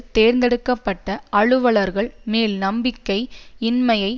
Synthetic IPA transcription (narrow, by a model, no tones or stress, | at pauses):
t̪eːɾnd̪ɛɽɯkːɐpːɐʈːɐɐɭɯʋɐɭɐɾɣɐɭmeːlnɐmbɪkːɐɪɪnmɐjɐɪ